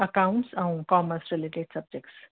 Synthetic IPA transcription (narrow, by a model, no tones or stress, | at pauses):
əkawɳʈsãw̃kɔməsɾeleʈeɖsɐb̚d͡ʒek̚ʈs